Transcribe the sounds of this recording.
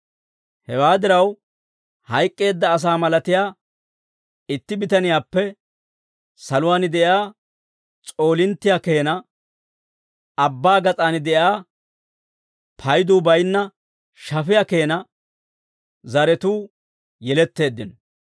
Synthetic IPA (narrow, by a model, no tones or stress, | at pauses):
hɛwaːd̪ɪɾɐw | hɐjkʼːe̞ːd̪ːɐːs̬aːmɐlɐt̪ɪjaː | ɪt̪ːɪbɪt̪ɐnɪjaːpːɛ | sɐlʊwaːnɪd̪ɛjaː | t͡sʼo̞ːlɪnt̪ːɪjaːke̞ːnɐ | ɐbːaːɡɐt͡sʼaːnɪd̪ɛʔaː | pʰɐjd̪uːbɐjnːɐ | ʃɐfɪjake̞ːnɐ | zɐɾɛt̪uː | jɛlɛt̪ːe̞ːd̪ːɪn